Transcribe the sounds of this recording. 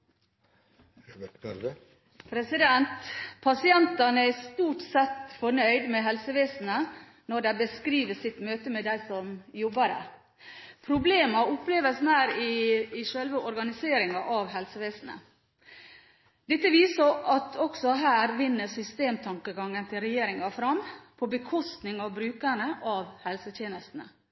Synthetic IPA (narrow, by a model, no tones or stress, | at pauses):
pʰɾɛsɪd̪ɛnt̪pʰɑsɪɛnt̪ɑnəæst̪uːʈsɛt̪fɔɳœʏd̪mɛɦɛlsəʋeːsn̩ə | nɔɖæɪbəskɾiːʋəsɪt̪møːt̪əmɛd̪æɪsɔmjɔbːɑɾæ̰ | pʰɾʊbleːmɑʊpleːʋəsnæːɾɪɪʃœlʋəʔɔɾɡɑnɪseːɾɪŋɑʔɑʋɦɛlsəʋeːsn̩ə̰ | d̪̥ɛt̪ːəʋiːsəʔɑt̪ʰɔksɔɦæːɾʋɪnːəsʏst̪eːmt̪ʰɑŋkəɡɑŋːənt̪ʰɪlɾɛjeːɾɪŋɑfɾɑmpʰɔbəkʰɔst̪nɪŋɑʋbɾʉːkæɳəʔɑʋhɛlsət̪ʰjeːnəst̪n̩ə